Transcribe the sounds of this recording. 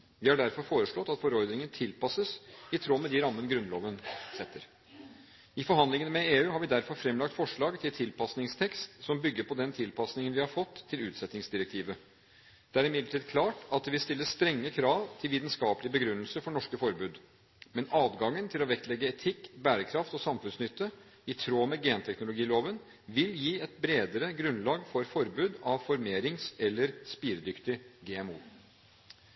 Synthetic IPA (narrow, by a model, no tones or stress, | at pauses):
ʋɪhɑɖæɾfɔɾfoːɾəʂɭɔt̪ːɑt̪fɔɾɔɾd̪nɪŋənt̪ʰɪlpɑsəsɪt̪ʰɾoːmɛd̪ɪɾɑmːənəɡɾʉnloːʋənsɛt̪ːəɾ | ɪfɔɾɦɑnlɪŋənmɛeːʉːhɑɾʋɪd̪æɾfɔɾfɾɛmlɑk̚t̪fɔʂɭɑːɡt̪ʰɪlt̪ʰɪlpʰɑsnɪŋst̪ʰɛkst̪sɔmbʏɡːəɾpʰɔd̪ɛnt̪ʰɪlpʰɑsnɪŋənʋɪhɑɾfɔt̪ʰːɪlʉːt̪sɛt̪nɪŋsd̪ɪɾɛk̚t̪ʰiːʋə | d̪̥ɛæɾɪmɪd̪ləʈʰiːd̪kʰlɑːʈɑt̪ʋɪst̪ɪlːəst̪ɾɛŋːəkʰɾɑːʋt̪ʰɪlʋiːt̪nskɑːpəlɪəbəɡɾʉnːəl̩səfɔɳɔʂkəfɔɾbʉːd̪ | mɛnɑːd̪ɡɑŋːənt̪ʰɪlɔʋɛkt̪lɛɡːəɛt̪ʰɪkːbæːɾəkʰɾɑft̪ɔsɑmfʉnsnʏt̪ːə | ɪt̪ʰɾoːmɛɡeːnt̪ʰɛknʊlʊɡiːloːʋən | ʋɪljiːɛt̪̚bɾeːd̪əɾəɡɾʉnlɑːɡfɔɾfɔɾbʉːd̪ɑʋfɔɾmeːɾɪŋsɛlːəɾspiːɾəd̪ʏkt̪ɪɡeːɛmuː